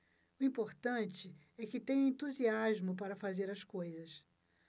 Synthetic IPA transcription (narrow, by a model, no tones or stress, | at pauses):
ʊĩpoɾt̪ɐ̃nt͡ʃɪ | ɛkɪt̪ẽɲ̃ɐẽt̪uziaʒmʊpaɾɐfazeɾɐskojzɐs